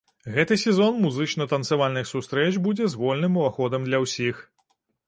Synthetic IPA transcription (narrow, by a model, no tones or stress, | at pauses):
ɣɛt̪ɨsʲɛzɔnmuzɨt͡ʂnɐt̪ɐnt̪sɨvalʲnɨxsust̪ɾɛt͡ʃbud͡zʲɛzvɔlʲnɨmuvaxɔd̪ɐmd̪lʲɐwsʲix